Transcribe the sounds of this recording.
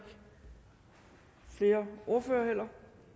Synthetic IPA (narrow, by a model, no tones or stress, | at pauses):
ɡ̥ | fle̝ːɐʔo̝ɐføːɐɦel̰ɐ